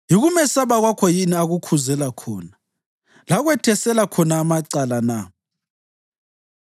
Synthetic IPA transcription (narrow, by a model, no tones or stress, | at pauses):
jiɣumɛsaβaɣwakʰɔjiniaɣukʰuzɛlakʰɔːna | laɣwɛtʰɛsɛlakʰɔnaːmaǀalana